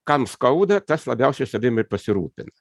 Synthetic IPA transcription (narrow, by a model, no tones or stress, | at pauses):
kɐmskɐʊd̪ɐt̪ɐslˠɐbʲɛʊsʲɛɪsɐd̪ʲɪmɐɪpɐsʲɪɾuːpʲɪnɐ